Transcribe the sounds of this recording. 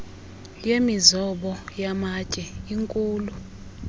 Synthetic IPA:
jemizɔɓɔjamacʼɛiŋkʼuːlu

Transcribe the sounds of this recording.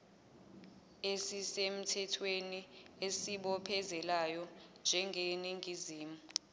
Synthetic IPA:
esisem̩tʰɛtʰweniesiɓɔpʰɛzɛlajɔnd͡ʒʱɛŋɡʱeniŋʱiziːmu

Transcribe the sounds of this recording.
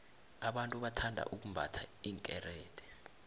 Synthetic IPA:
aɓantʼuɓatʰandʱa̰ʔuk̬umbʱa̰tʰa̰iːŋkʼɛrɛːtʼɛ̥

